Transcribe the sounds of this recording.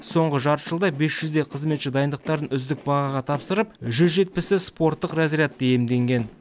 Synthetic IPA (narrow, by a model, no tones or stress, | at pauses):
so̞ɴʁəʒɑɾt̪ʒ̥əlˠd̪ɑbe̞sʒ̥ʏzd̪e̞qʰəzme̞t̪ʃɪd̪ɑjənd̪əq̚t̪ɑɾənʏzd̪ɪk̚bɑʁɑʁɑt̪ʰɑpsəɾəpʒʏzʒe̞t̪̚pɪsɪspo̞ɾt̪ːəqrɑzijat̪̚d̪ejemd̪e̞ŋɡʲe̞n